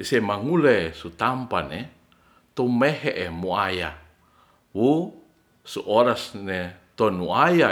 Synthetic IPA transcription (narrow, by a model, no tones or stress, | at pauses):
semaŋulesut̪ampane | t̪omeɦeʔemuaja | wu | suʔoɾasnet̪onuaja